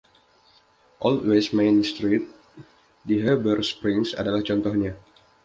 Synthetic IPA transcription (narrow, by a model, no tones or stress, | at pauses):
ʔɔltwesmenst̪ɾit̪̚ | diɦəbərspɾiŋsa̰dalaht͡ʃɔnt̪ɔhɲa